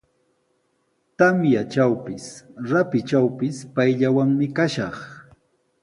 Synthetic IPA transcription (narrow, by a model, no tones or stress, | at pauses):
t̪amjat͡ʃawpɪsɾapɪt͡ʃawpɪspajʎawaŋmɪkaʃɑχ